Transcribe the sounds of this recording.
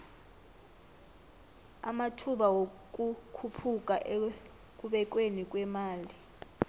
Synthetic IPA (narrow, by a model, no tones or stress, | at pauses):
a̰matʰuɓawok̬ʼukʰupʰuk̬ʼaʔe | k̬ʼuɓɛk̬ʼwenik̬ʼwɛmaːli